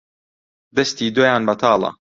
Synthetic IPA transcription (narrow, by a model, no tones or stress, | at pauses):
d̪ɐst̪iːd̪oːjaːnbɐt̪ʰɑːlˠɐ̰